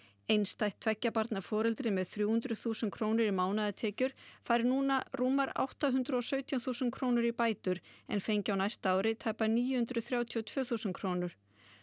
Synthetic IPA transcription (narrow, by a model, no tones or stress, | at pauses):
ejnst̪ajht̪ʰvɛcːapaɾt̪naɾfɔːɾɛlt̪ɾɪmɛðθɾjuːhʏnt̪ɾʏθuːsɛnkʰɾoːwnɪɾimaːwnaðɪt̪ʰɛːcʏɾ̥faːjɾɪnuːnaruːmaɾa̰wht̪aɦʏnt̪ɾʏɔsœːɥt̪ʰjɔθuːsʏnkʰɾoːwnʏɾipaːjt̪ʏɾɛ̰nfejɲcɪawnajst̪aaːwɾɪt̪ʰaːjpaniːjʏhʏnt̪ɾʏθɾjaːwt̪ʰiɔt̪ʰv̥œːθuːsʏnkʰɾoːwnʏɾ̥